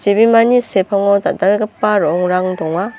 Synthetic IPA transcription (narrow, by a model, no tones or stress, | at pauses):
sebimanisepʰaŋɔdadaɾɡapːaɾɔŋɾaŋdɔŋa